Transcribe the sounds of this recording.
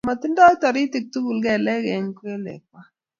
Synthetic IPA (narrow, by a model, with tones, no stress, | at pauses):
ma˨ti˦ndɔ˦tɔ˨ɾi˦ti˨k̚tu˦ɡu˨lɡɛ˦˨lɛ˦ɡɛ˨ɲke˦lḛ˨k̚wa˦